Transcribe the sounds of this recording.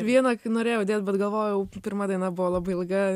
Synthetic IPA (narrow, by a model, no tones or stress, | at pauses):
ʋʲiɛnɐknoːɾʲeːjoʊd̪ʲeːt̪bʲɛt̪ɡɐlˠʋoːjʊjɛʊpʲɪɾmɐd̪ɐɪnɐbʊʋolˠɑbɐɪɪlˠɡɐ